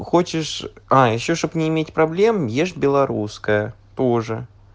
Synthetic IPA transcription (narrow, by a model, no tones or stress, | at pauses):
xot͡ɕɪʂajɪɕːoʂt̪opnʲɪːmʲetʲpɾɐblʲe̞mjeʂbʲɪlˠɐɾuskəjə | t̪oʐɨ